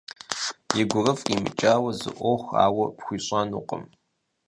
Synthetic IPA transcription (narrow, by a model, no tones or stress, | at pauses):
jɪɡʷʊrɐfimɨ̰t͡ʃʼaːwɐzɨ̰ʔʷoxʷa̰ːwɐpxʷiːɕʼaːnuːqʼə̰m